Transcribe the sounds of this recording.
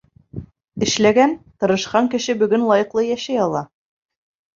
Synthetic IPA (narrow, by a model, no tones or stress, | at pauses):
ɘ̆ʃlæɡænt̪ɤ̆ɾɤ̆ʃqɑŋkɘ̆ʃɘbɵ̆ɡɵnlˠɑjɤ̆qlˠɤjæʃæjɑlˠɑ